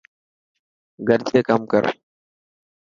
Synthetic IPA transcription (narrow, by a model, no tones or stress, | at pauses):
ɡɐɾt͡ʃeːkɐmkɐ̰ɾ